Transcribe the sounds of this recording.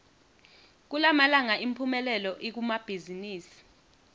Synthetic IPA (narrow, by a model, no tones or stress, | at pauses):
k̬ulamalaŋaʔimpʰumɛlɛlɔʔik̬umab̥ʱiziniːsi̥